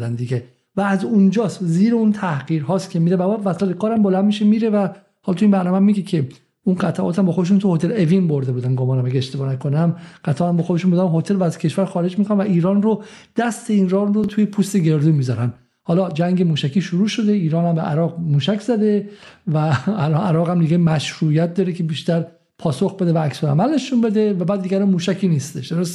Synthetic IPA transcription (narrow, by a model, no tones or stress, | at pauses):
d̪ænd̪iɟe | væːzund͡ʒɒːsziːɾeunt̪ʰæhɢiːɾɦɒːst̪cʰemiːɾemæbɒd̪væslæt̪ekʰɒːɾæmbolænd̪miʃemiːɾevæ | hɒːlt̪uimbæɾnɒːmemːiːɡecʰe | unɢæt̪ʰæʔɒ̰ːt̪ʰæmbɒːxod̪eʃ̬unt̪uhot̪ʰe̞le̞vinbo̞ɾd̪e̞buːd̪ænɡomɒːnæmæɟeeʃt̪e̞bɒːnækʰonæmɢ̥æt̪ʰæʔːmbɒːxod̪e̞ʃunmbod̪æmɦot̪ʰe̞lvæːzcʰe̞ʃvæɾxɒːɾe̞d͡ʒmiːkʰoɾæmvæʔiːɾɒːnrod̪̥æst̪ʰe̞inrɒːrot̪ʰuːjepʰuːst̪e̞ɟe̞ɾd̪uːmiːzɒɾæn | hɒːlɒːd͡ʒæŋɡe̞muːʃækʰiːʃuɾuːʃo̞d̪eiːɾɒːnhæmbeʔæ̰ɾɒːʁmuːʃækʰz̥æd̪e̞væːlɒnæɾɒːɣæmd̪iɡemæʃɾuːjæt̪̚d̪ɒːɾecʰe̞biːʃt̪æɾ | pʰɒːsoxbe̞d̪e̞væːksolæ̰mælne̞ʃunbe̞d̪evæbæːd̪ːiɡæɾɔnmuːʃæcʰiːniːst̪e̞ʃd̪o̞ɾos